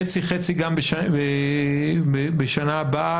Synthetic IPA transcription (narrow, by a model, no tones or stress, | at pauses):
et͡siχet͡siɡambeʃabe | ebeʃanaːba